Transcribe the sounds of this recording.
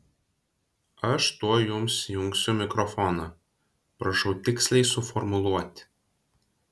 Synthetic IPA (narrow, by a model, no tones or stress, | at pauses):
ɐʃt̪uɔjʊmsjʊŋksʲʊmʲɪkɾɔfɔnɐ | pɾɐʃɐʊt̪ʲɪksʲlʲɛɪsʊfɔɾmʊlˠuɔt̪ʲ